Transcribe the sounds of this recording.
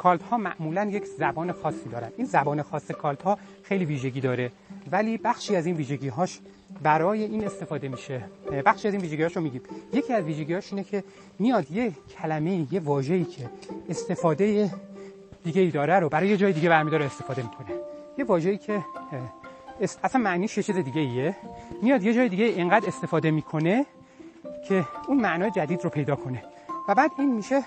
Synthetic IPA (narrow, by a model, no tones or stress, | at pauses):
kʰɒːlt̪hɒːmæ̰ʔmuːlænje̞cʰzæbɒːne̞xɒːsːiːd̪ɒːɾæ̰nd̪̥ʔiːnzæbɒːne̞xɒːsːekʰɒːlt̪hɒː | xejliːviːʒe̞ɟiːd̪ɒːɾe̞ | væliːbæxʃiːæziːnviːʒe̞ɟiːɦɒːʃ | bæɾɒːje̞ʔiːne̞st̪e̞fɒːd̪e̞miːʃebæxʃiːæzinviːʒeɟihɒːʃomiːɟiːmje̞cʰiːæzviːʒe̞ɡɟiːɒːʃiːne̞cʰe̞ | mijɒːd̪jecʰælæme̞ijevɒːʒe̞iːcʰe̞ːst̪e̞fɒːd̪e̞je | d̪̥iːɡe̞iːd̪ɒːɾæɾobæɾɒːjejed͡ʒɒːjed̪iːɟebæɾmid̪ɒːɾeest̪e̞fɒːd̪e̞miːkʰo̞ne̞je̞vɒːʒe̞iːcʰe̞ | sæsænmæʔniːʃjet͡ʃʰiːze̞d̪iːɟʲe̞iemijɒːd̪je̞d͡ʒɒːjed̪iːɟeiːʔeŋɡæːd̪e̞st̪e̞fɒːd̪e̞miːkʰo̞ne̞ | cʰe̞unmæʔnɒːjed͡ʒæd̪iːd̪ɾopʰejd̪ɒːkʰo̞ne̞ | væbæːd̪iːnmiʃe̞